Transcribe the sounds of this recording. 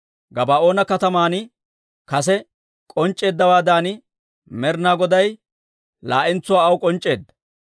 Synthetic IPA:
ɡɐbaːo̞ːnɐkɐt̪ɐmaːnɪ | kɐs̬ɛ | kʼɔnt͡ʃʼːe̞ːd̪ːɐwaːd̪aːnɪ | mɛɾnaːɡɔd̪ɐj | la̰ːʔɪnt͡sːʊwaːɐwʊkʼɔnt͡ʃʼːe̞ːd̪ːɐ̥

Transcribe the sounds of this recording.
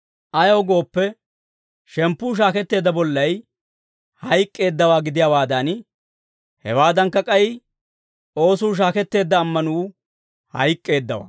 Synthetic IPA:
ʔɐjoːɡo̞ːpːɛ | ʃɛmpːuːʃ̬aːkɛt̪ːe̞ːd̪ːɐbɔlːɐj | hɐjkʼːe̞ːd̪ːɐwaːɡɪd̪ɪjawaːd̪ɐn | hɛ̰waːd̪ɐŋkːɐkʼɐjɪ | ʔo̞ːsuːʃ̬aːkɛt̪ːe̞ːd̪ːɐːmːɐnuː | hɐ̰jkʼːe̞ːd̪ːɐwa̰ː

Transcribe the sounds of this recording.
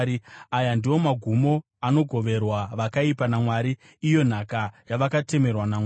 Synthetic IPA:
iajandiwo̞maɡʱumo̞ | ano̞ɡʱo̞ʋe̞rwaʋakaipanamwaːɾiː | jo̞n̤akajaʋakate̞me̞rwanamː

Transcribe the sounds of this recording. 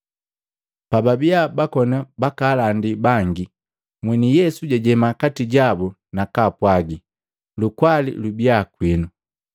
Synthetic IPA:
pababiabakɔnabakaːlandibaŋɡi | mwɛnijɛsuɟaɟɛmakatiɟabu | nakapwaɡi | lukwalḭlubjakwinu

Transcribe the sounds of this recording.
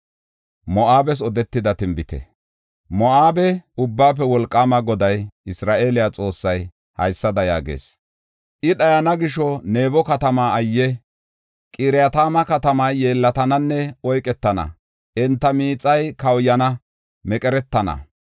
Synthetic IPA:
mɔʔaːbɛs̬ɔd̪ɛt̪ːɪd̪ɐt̪ɪmbɪt̪ɛ̰ | mɔaːbɛʊbːaːp̬ːɛwɔlkʼːaːmɐɡɔd̪ɐjʔɪsɾaːʔe̞ːlɪjat͡sʼo̞ːsːɐj | hɐ̰jsːɐd̪ɐja̰ːɡḛːs | ʔɪɗɐjɐnɐɡɪʃɔne̞ːbɔkɐt̪ɐmaːjːɛ | kʼiɾɪjat̪aːmɐkɐt̪ɐmɐjːe̞ːlːɐt̪ɐnɐnːɛɔjkʼɛt̪ːɐnɐ̰ | ʔɛnt̪ːɐmiːt͡sʼːɐjkɐwjːɐnɐ | mɛkʼɛɾɛt̪ːɐnɐ̰

